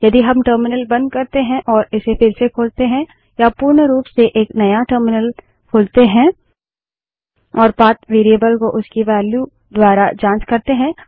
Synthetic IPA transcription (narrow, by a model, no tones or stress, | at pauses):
jɐd̪iɦɐmʈəːɾmɪnəlbɐ̃nd̪̚kɐɾt̪eɦɛ̃ʔɔːɾɪsefɪɾsekʰoːlt̪eɦɛ̃ | japuɾɳəɾuːpseʔeːknɐjaʈəːɾmɪnəl | kʰoːlt̪eɦɛ̃ | ɔːɾpaːt̪ʋeːɾijəbəlkoʔʊskiʋɛːlju | d̪waːɾad͡ʒãːt͡ʃkɐɾt̪eɦɛ̃ː